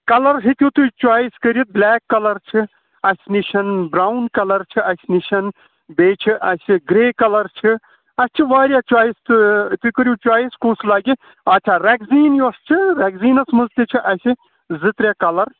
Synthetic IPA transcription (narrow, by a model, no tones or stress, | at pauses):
kɐlɐɾɦit̪ʲjut̪ujt͡ʃwaːjiskəɾjit̪̚blʲɛːkːɐlɐɾt͡ʃʰi | ɐsʲniʃɐnbɾaːwnkɐlɐɾt͡ʃʰiʔɐsʲniʃɐn | beːt͡ʃʰiʔɐsʲiɡɾeːkɐlɐɾt͡ʃʰi | ɐst͡ʃʰiʋaːɾjat͡ʃaːjist̪ut̪ukəɾʲjut͡ʃwaːjiskuːslaːɡi | ɐt͡ʃʰaːɾɛɡziːnjuɐst͡ʃʰiɾɛːɡziːnɐsmɐzt̪it͡ʃʰiʔɐsi | zɨt̪ɾʲjaːkɐlɐɾ